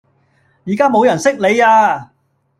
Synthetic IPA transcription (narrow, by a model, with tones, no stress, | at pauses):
jiː˨˩kaː˥mo˨˧wjɐ˨˩nsɪ˥k̚le˨˧jaː˧